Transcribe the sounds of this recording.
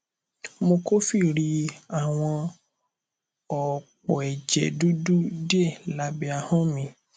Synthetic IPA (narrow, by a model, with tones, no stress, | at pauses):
mo˧ko˦fi˦˨ɾi˧˦a˨w̃ɔ̃˧ | ɔ˨k͡pɔ˨ɛ˨d͡ʒɛ̰˨du˦du˦di˦e˦˨la˨˦bɛ˧a˧hɔ̃˦mĩ˧